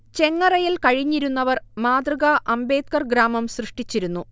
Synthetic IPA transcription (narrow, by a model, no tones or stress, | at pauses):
t͡ɕe̞ŋːɐrɐjilkɐɻiɲːiɾunːɐʋɐrmaːd̪rɨɣɐʔɐmbe̞ːt̪̚kɐrɡɾaːmɐmsrɨʂʈit͡ɕːiɾunːu